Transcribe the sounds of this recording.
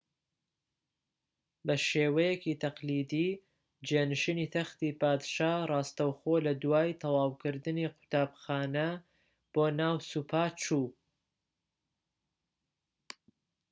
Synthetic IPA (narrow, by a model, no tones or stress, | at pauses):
bɐʃeːwɐjekit̪ʰɐqliːd̪iː | d͡ʒenɨʃinit̪ʰɐxt̪iːpaːd̪ʃaːrˤɑːst̪ɐwxoːlɐd̪uwaːjt̪ʰɐwɑːwkɨɾd̪ɨniqʰʊ̥t̪aːbxaːnɐ | b̥oːnaːwsuːpʰaːt͡ʃuː